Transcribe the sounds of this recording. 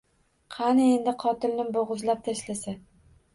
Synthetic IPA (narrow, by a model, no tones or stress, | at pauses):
qʰɑnɪe̞nd̪ɪqʰɒt̪ɪlnɪboʁʊzlap̚t̪ʰaʃlasa